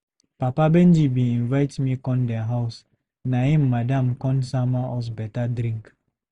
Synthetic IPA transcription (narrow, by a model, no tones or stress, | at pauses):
papabɛndibĩĩnvaɪtmikɔ̃ndɛɦaʊs | naɦĩmːadamkɔ̃nsamaɔs̬bɛtadɾĩŋk